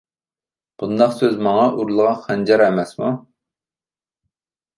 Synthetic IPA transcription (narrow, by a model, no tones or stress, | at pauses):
b̥und̪ɑχsøzmɑŋɑʔuɾlˠəʁɑχʰænd͡ʒɑɾɛmɛsmu